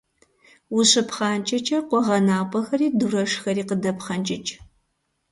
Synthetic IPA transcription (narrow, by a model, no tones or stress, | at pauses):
wʊɕɨpχɑːnt͡ʃʼɐt͡ʃʼɐqʷɔʁɐnaːpʼɐxɐriːdurɐʂxɐɾiːqədɐpχɐnt͡ʃʼɪt͡ʃʼ